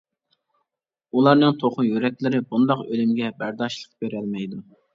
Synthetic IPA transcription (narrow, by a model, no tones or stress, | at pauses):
ulˠɑɾnɨŋt̪ʰoχʊjyɾɛkʲlɪɾɪbund̪ɑqølymɡʲɛbæɾd̪ɑʃlˠəq̚b̥eɾɛlmɛjd̪u